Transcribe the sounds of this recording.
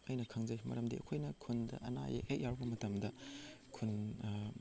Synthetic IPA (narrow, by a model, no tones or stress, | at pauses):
ɐjnɐkʰɐŋzɐjmɐ̰ɾɐmdiɐ̰kʰojnɐkʰundɐ̰ʔɐna̰jḛhek̚jawɾubɐmɐtɐmdɐkʰun